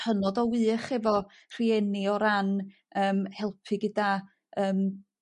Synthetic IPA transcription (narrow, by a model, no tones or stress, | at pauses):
hənɔdɔwɨːχɛvɔ | r̥iɛnɪɔɾan | əːmhɛlˠpʰɨɡəda | əːm